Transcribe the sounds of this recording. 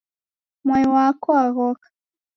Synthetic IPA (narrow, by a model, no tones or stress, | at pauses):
mwajiwakɔaɣɔkḁ